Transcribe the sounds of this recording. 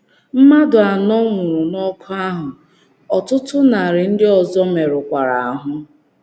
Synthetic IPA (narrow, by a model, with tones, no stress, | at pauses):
m̩˦ma˦dʊ˨a˨nɔ˦ŋʷʊ˨ɾʊ˨nɔ˦kʰʊ˦a˦ɦʊ˨ | ɔ˨tʊ˦tʊ˦na˨ɾɪ˨n̩˦dɪ˦ɔ˨zɔ˦me˨ɾʊ˨kʷa˨ɾa˨a˨ɦʊ˦